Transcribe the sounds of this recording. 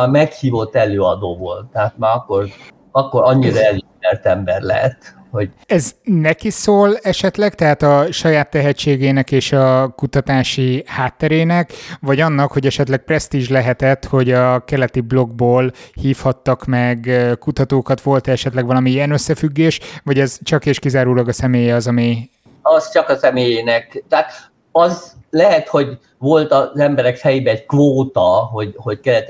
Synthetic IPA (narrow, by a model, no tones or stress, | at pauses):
mɛkhiːvo̞t̪ːɛløːɒd̪oːvolt̪ːɛat̪maːɾɒkːor | ɒkːoɾɒɲːiɾɒɛlit̪ɛrt̪ɛmbɛrlɛ̰ɦɛt̪ | ho̞ɟɛznɛkisoːlɛʃɛt̪lɛkt̪ɛɦaːt̪ɒʃɒjaːt̪ːɛɦɛt͡ʃːeːɡeːnɛkeːʃɒkut̪ɒt̪aːʃihaːt̪ːɛɾeːnɛkʋɒɟɒnːɒkho̞ɟɛʃɛt̪lɛk̚prɛst̪iːʒlɛɦɛt̪ɛt̪ho̞ɟɒkɛlɛt̪iblo̞ɡ̚boːlhiːfhɒt̪ːɒkmɛɡkut̪ɒt̪oːkɒt̪ʋo̞lt̪ɛɛʃɛt̪lɛɡʋɒlɒmiiɛnøsːɛfyɡːeːʃʋɒɟɛzt͡ʃɒkeːʃkizaːɾuːlɒɡɒsɛmeːjɛɒzɒmi | ɒzt͡ʃɒkɒsɛmeːjeːnɛkt̪ɛat̪ | ɒzlɛɦɛt̪ho̞ɟ | vo̞lt̪ɒzɛmbɛɾɛkfɛjibɛːɟkvoːt̪ɒɦo̞ɟho̞ɟkɛlɛt̪